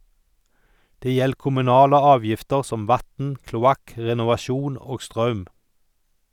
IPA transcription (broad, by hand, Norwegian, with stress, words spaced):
ˈdeː ˈjɛl kʊmʉˈnɑːlə ˈɑːʋjɪftəɾ ˈsɔm ˈʋɑtn̩ klʊˈɑk ˌɾɛnʊʋɑˈʃuːn ˈoːɡ ˈstɾɑʉm